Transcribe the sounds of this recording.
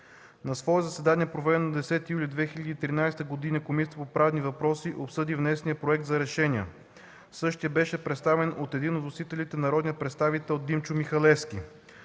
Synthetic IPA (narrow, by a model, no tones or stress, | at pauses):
nɐsvɔɛzɐsɛd̪anʲiɛpɾovɛd̪ɛnod̪ɛsɛt̪ijulʲid̪vɛxilʲɐd̪iːt̪ɾinajst̪əɡod̪inəkomit̪əpopɾavnivɐpɾɔsiʔopsɤd̪ivnɛsnijəpɾoɛk̚t̪zɐɾɛʃɛniə | sɤʃt̪ijəbɛʃɛpɾɛt̪st̪avɛnot̪ɛd̪inot̪osit̪ɛlit̪ɛnɐɾɔd̪nʲiəpɾɛt̪st̪avit̪ɛlˠod̪imt͡ʃʊmixɐlɛfskʲi